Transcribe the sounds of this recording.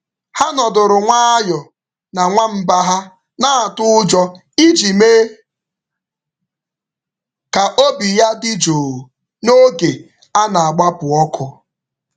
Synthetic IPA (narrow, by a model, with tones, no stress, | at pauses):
ha˦nɔ˨dʊ˨ɾʊ˨ŋʷa˦a˦jɔ˨ | na˨ŋʷa˦m̩˦ba˦ɦa˦ | na˦a˨tʊ˦ʊ˦d͡ʒɔ˦ | i˦d͡ʒi˨meː˦ | ka˨ʔo˦bi˨ja˦dɪ˦d͡ʒoː˨ | no˦ɡe˨ | a˦na˨a˨ɡ͡ba˦pʊ˨ɔ˦kʰʊ˦